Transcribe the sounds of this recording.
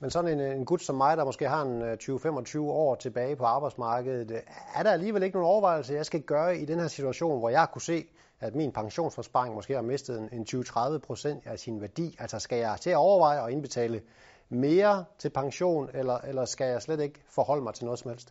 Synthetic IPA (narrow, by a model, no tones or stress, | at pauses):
mensɒ̽nenenɡ̥ud̥sɒ̽mːɑ̈ɪd̥ɑ̈mɒ̽sɡ̥e̝̰ːɦɑ̈e̝nt͡sʰyːʊəfem̰ɒ̽t͡sʰyːʊəɒ̰ːt͡sʰe̝b̥ɛːɪpʰɒ̽ɑ̈ːb̥ɑ̈ɪd̥smɑ̈ːɡ̥əð̩ˠæɐɾ̥ɑ̈æliːʋele̝ɡ̥əno̝ːnɒʊɐʋɑ̈ɪ̰l̩səjɑ̈ɪsɡ̥æɡ̥ɶːɐid̥enhɛɐsit͡sʰuæɕo̝̰ːnʋɒjɑ̈ɪkʰuse̝̰ː | æd̥minpʰɑ̈ŋɕo̝̰ːnsfɒsb̥ɑ̈eŋmɒ̽sɡ̥e̝̰ːhɑ̈me̝sd̥ð̞̩ˠene̝nt͡sʰyːʊt͡sʰʁɑ̈ð̞ˠʋəpʰʁo̝sen̰d̥æsinʋæɐd̥ḭːælsɐsɡ̥æjɑ̈ɪt͡sʰe̝æɒʊɐʋɑ̈ɪ̰ɒ̽e̝nb̥e̝t͡sʰɛ̰ːlə | me̝ːɐt͡sʰe̝lpʰɑ̈ŋɕo̝̰ːnelɐʔelɐsɡ̥æjɑ̈ɪsled̥e̝ɡ̥əfɒhɒ̽l̰əmɑ̈ɪt͡sʰe̝lnɔ̽ð̩sɒ̽mhel̰sd̥